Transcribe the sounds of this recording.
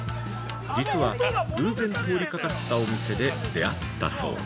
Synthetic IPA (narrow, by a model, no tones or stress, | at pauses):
d͡ʑit͡sɨβaɡɯ̟ːzẽ̞nt̪o̞ːɾʲikakat̪ːao̞mʲise̞d̪e̞d̪e̞at̪ːa̰so̞̰ː